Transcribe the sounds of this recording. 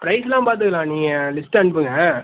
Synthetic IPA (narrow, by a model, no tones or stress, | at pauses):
pɾɐɪsɛlãːpaːɾt̪̬ɯɣɐlãːniːŋɡɐlɪsʈɐɳpɯŋɡɐ